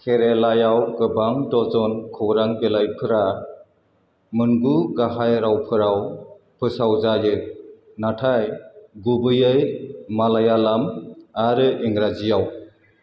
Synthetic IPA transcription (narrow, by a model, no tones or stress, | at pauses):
kʰeɾelajawkɯbaŋtɔzɔnkʰɯwɾaŋbelajpʰɯɾa | mɯnɡuɡaɦajɾawpʰɯɾaw | pʰɯsawzajɯ | natʰajɡubɯjɯjmalajalamaɾɯiŋɾazijaw